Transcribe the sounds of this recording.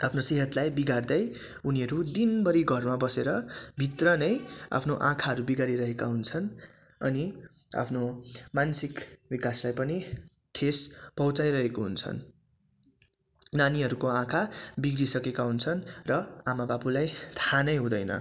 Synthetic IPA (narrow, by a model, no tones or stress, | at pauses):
apʰnoseɦʌt̪lajbiɡard̪ʌj | uniɦʌɾud̪inbʌɾiɡʱʌrmabʌseɾʌbʱit̪rʌnʌja̰pʰnoʔãkʰaɦʌɾubiɡaɾiɾʌɦekaɦunt͡sʰʌn | ʌ̰ni | a̰pʰnomansikbikaslajpʌni | ʈʰespʌɦwt͡sajɾʌɦekoɦunt͡sʰʌ̰n | naniɦʌɾukoãkʰabiɡrisʌkekaɦunt͡sʰʌnrʌamababulajt̪ʰanʌjɦũd̪ʌjnʌ̰